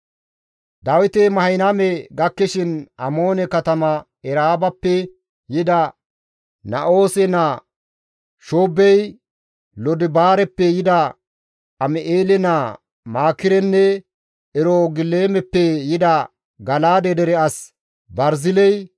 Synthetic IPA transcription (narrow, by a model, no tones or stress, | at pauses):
d̪ɐwɪt̪ɛmɐhɐjnamɛɡɐkːɛʃɪnɐmo̞ːnɛkɐt̪ɐmɐ | ɛɾaːbɐpːɛ | jɪd̪ɐ | nɐʔo̞ːsɛna | ʃoːbːɛj | lɔd̪ɪbaːɾɛpːɛjɪd̪ɐ | ɐmɛʔeːlɛna | maːkɪɾɛnːɛ | ɛɾoɡɪleːmɛpːɛjɪd̪ɐ | ɡɐlaːd̪ɛd̪ɛɾɛɐs | bɐɾzɪlɛj